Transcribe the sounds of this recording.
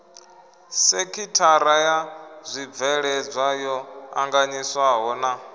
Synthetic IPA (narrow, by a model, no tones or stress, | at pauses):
sekʰitʰaɾajazʷib̪vɛɺɛd͡zʷajɔa̰ŋɡaɲiswaɦɔna